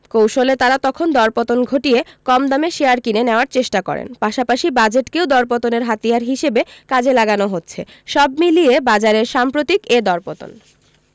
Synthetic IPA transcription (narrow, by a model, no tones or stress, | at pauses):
kowʃolet̪aɾat̪ɔkʰond̪ɔɾpot̪onɡʱoʈijekɔmd̪ameʃeaɾkineneoaɾt͡ɕeʃʈakɔ̰ɾḛnpaʃapaʃibad͡ʑeʈkewd̪ɔɾp̬ot̪oneɾɦat̪ijaɾɦiʃebekad͡ʑelaɡanoɦotːɕʰe | ʃɔbmilijebad͡ʑaɾeɾʃampɾot̪iked̪ɔɾpot̪o̰n